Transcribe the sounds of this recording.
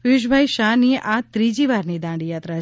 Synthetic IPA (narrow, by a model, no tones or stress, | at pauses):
ʋɪʃ̬bʱajʃaniat̪ɾid͡ʒiʋaɾnid̪ãːɳɖijat̪ɾa